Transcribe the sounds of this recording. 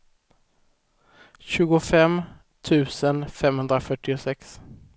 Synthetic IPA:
ɕʉ̟ːɡʊfɛm | t̪ʰʉ̟ːsənfɛmhɵnd̪ɾafœʈːɪʊsɛks

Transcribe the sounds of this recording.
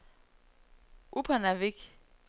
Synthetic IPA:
upʰanavik

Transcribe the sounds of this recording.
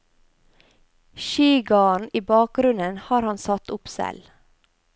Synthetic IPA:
ʃiːɡɑːɳiːbɑːk̚ɡɾʉnənhɑːɾhɑnsɑt̪ʊpsɛ̰l

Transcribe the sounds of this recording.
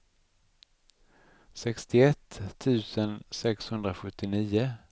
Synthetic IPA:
sɛkst̪ɪɛt̪ʰːʉ̟ːsənsɛkshɵnd̪ɾaɧɵt̪ːɪniːʊ

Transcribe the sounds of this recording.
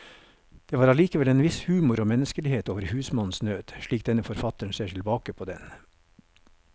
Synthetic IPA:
d̪̥eːʋɑːɾɑliːkəʋɛleːnʋɪshʉːmʊɾoːmɛnəskəlɪheːt̪oːʋəɾhʉːsmɑnn̩snøːd̪̥ʃɭiːkd̪ɛnəfɔɾfɑt̪əɳ̩seːʈʰɪlbɑːkəpʰoːd̪ɛ̰n

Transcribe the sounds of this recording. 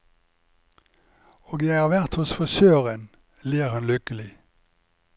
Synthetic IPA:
oːɡjæɪhɑːʋæʁt̪hʊsfɔʃøːʁən | liːʁhɑnlʏkəlɪ

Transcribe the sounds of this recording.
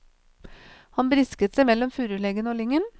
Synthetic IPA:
hɑnbɾɪskət̪sɛɪmɛlːɔmfʉːɾʉlɛɡənəoːlɪŋːən

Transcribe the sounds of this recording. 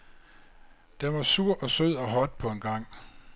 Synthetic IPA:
d̥enʋɑ̈suɐ̰ʔɒ̽søð̞̰ˠɒ̽ɦɒ̽d̥̚pʰɒ̽e̝nɡ̥ɑ̈ŋ̰

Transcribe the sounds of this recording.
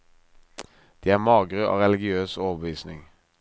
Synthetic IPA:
d̪̥iːæːʁmɑːɡʁøʔo̰ːʁɛlɪɡɪøːsoːoːʋəbəʋiːsnɪŋ

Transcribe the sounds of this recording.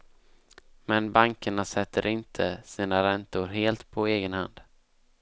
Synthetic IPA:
mɛnbaŋkəɳasɛt̪ʰːəɾʔɪnt̪ʰəsiːnaɾɛnt̪ʊɾɦeːlt̪pʰɔeːɡənha̰nd̪

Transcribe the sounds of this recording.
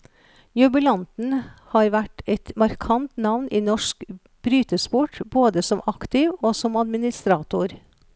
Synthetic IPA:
jʉbʉlɑnt̪n̩hɑːɾʋæʈɛt̪mɑɾkʰɑnt̪nɑʋnʔiːnɔʂk | b̥ɾyːt̪əspʊʈboːd̪əsɔmʔɑkt̪ɪʋoːsɔmɑd̪mɪnɪst̪ɾɑːt̪ʊɾ

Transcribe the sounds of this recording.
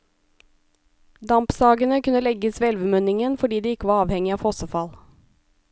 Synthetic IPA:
d̪ɑmpsɑːɡənəkʉnəlɛɡəsʋeːɛlʋəmœnɪŋənfɔɖiːd̪iːɪkəʋɑːɑːʋhɛŋɪɑːfɔsəfɑl

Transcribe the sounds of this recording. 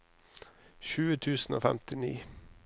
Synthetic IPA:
ʃʉːət̪ʰʉːsn̩ʔo̰ːfɛmt̪ɪnḭː

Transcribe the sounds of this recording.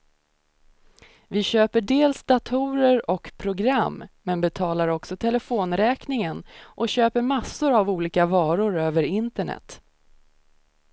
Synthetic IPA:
vɪɕøːpəɖeːlsd̪at̪ʰuːɾəɾɔkpʰɾʊɡɾamːɛnbɛt̪ʰɑːlaɾɔksɔt̪ʰɛlɛfoːnɾɛːknɪŋənʔɔɕøːpəɾmasːʊɾavuːliːkavɑːɾʊɾøːvəɾɪnt̪əɳɛ̰t̪

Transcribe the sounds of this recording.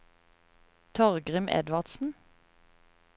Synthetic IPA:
t̪ʰɔʁɡʁɪmʔɛ̰d̪ʋɑʁd̪sn̩

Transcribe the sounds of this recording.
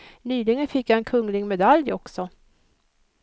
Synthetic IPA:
nyːlɪɡənfɪkːaɛnkʰɵŋlɪɡmɛd̪aljɔksɔ

